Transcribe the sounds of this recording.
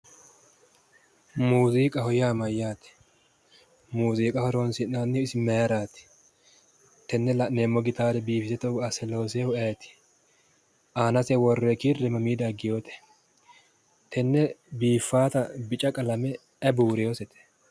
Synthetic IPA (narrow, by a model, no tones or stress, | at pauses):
muːziːkʼɐhɔjaːmɐjːaːt̪ɪ̥ | muːziːkʼɐhɔɾɔnsɪnaːnːɪɔɪsɪmɛjɾaːt̪ɪ̥ | t̪ɛnːɛlɐʔneːmːɔɡɪt̪aːd̪ɛbiːfɪsɛt̪ɛɐsɛlo̞ːsehʊɛjt̪ɪ̥ | aːnɐsɛwɔrːɛkɪrːɛmɐmiːd̪ɐɡɪjoːt̪ɛ̥ | t̪ʰɛnːɛbiːfːaːt̪ɐbɪt͡ʃʼɐkʼɐlɐmɛ | ɛbuːɾɛjoːsɛt̪ɛ̥